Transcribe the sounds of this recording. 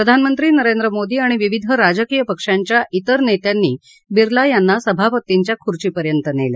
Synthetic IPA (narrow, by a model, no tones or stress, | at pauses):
ppɾəd̪ʱanmənt̪ɾiːnəɾend̪ɾəmod̪iːaɽ̃iʋiʋid̪ʱəɾad͡zəkijəpəkʂaɲt͡ɕjaʔit̪əɾnet̪janːiː | biɾlajanːasəbʱapət̪iɲt͡ɕjakʰuɾt͡ɕiːpəɾjənt̪ənḛlḛ